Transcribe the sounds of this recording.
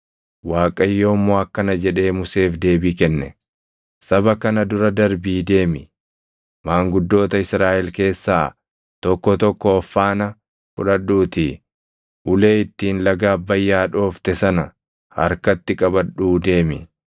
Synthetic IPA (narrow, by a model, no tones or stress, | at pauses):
waːkʼɐjːoːmːoːɐkːɐnɐd͡ʒɛᶑe̞ːmʊse̞ːfd̪e̞ːbiːkɛnːɛ | sɐbɐkɐnɐd̪ʊɾɐd̪ɐɾbiːd̪e̞ːmɪ | maːŋɡʊd̪ːo̞ːt̪ɐɪsɾaːʔɛlke̞ːsːaː | t̪ɔkːɔt̪ɔkːɔːfːaːnɐ | fʊ̰ᶑɐᶑuːt̪ɪ | ʔʊle̞ːɪt̪ːiːnlɐɡaːbːɐjːaːᶑo̞ːft̪ɛsɐnɐ | hɐ̰ɾkɐt̪ːɪkʼɐbɐᶑuːd̪e̞ːmɪ